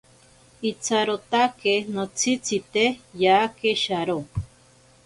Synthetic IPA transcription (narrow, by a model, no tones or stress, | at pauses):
it͡sʰaɾot̪akenot͡sʰit͡sʰit̪ejaːkeʃaɾo